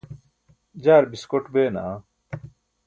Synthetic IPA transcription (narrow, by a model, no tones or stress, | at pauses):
d͡ʑaːɾbiskoʈbeːna̰ː